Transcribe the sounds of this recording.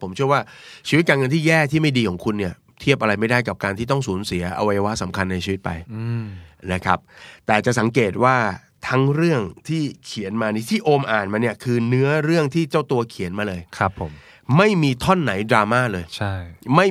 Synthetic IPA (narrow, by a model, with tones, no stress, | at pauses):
pʰo˩˦mt͡ɕʰɯ˥˩ɐwaː˥˩t͡ɕʰiː˧wt̪̚kaː˧nŋɤ˧nt̪ʰiː˥˩jɛː˥˩t̪ʰiː˥˩ma˥˩jdiː˧kʰɔː˨˩˦ŋkʰu˧nːi˥˩ɐ | t̪ʰi˥˩əp̚ʔa˧ɾa˧jma˥˩jdaː˥˩jka˨˩p̚kaː˧nt̪ʰiː˥˩ɔ˥˩ŋsuː˩˦nsi˩˦ɐʔa̰˧wa˧jːa˧wa˦˥t̪sa˩˦mkʰa˧nːa˧jt͡ɕʰiː˧wt̪̚pa̰˧j | na˦˥kʰɾa̰˦˥p̚t̪ɛː˨˩t͡ɕa˨˩sa˩˦ŋkeː˨˩t̪̚waː˥˩ | t̪ʰa˦˥ŋɾɯ˥˩əŋt̪ʰiː˥˩kʰi˨˩˦ənmaː˧niː˦˥t̪ʰiː˥˩ʔoː˧mʔaː˨˩nmaː˧ni˥˩əkʰɯː˧nɯ˦˥ɐɾɯ˥˩əŋt̪ʰiː˥˩t͡ɕa˥˩wt̪u˧ɐkʰi˨˩˦ənmaː˧lɤː˧jkʰa˦˥pʰːo˩˦m | ma˥˩jmiː˧t̪ʰɔ˥˩nːa˩˦jdɾaː˧maː˥˩lɤː˧jt͡ɕʰa˥˩jma˥˩j